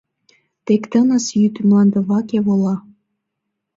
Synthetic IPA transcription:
t̪ekt̪ənəsjyt̪mlɑnd̪ɤ̆βɑkeβolɑ

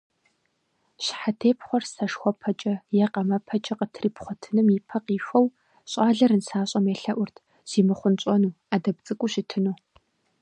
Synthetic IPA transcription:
ɕħatʰeːpχʷɔrsɐʂxʷɔpʰɐt͡ʃʼɐjɛqɐmɐpʰɐt͡ʃʼɐqətʰriːpχʷɔtʰɨnɨmipʰɐqiːfʷɐw | ɕʼaːɮɐɾɨnsaːɕʼɐmeɬɐʔʷʊrtʰ | z̥iːmɨχʷʊnt͡ɕʼɔnuː | aːdɐbt͡sʼɨkʷʼʊɕɪtʰɨnuː

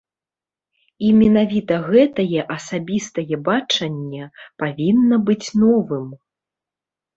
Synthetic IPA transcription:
imʲɛnavʲit̪ɐɣɛt̪ɐjɛʔɐsabʲist̪ɐjɛbat͡ʂɐnʲːɛpavʲinːɐbɨt͡sʲnɔvɨm

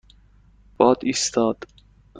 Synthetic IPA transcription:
b̥ɒːd̪iːst̪ʰɒːd̪̥

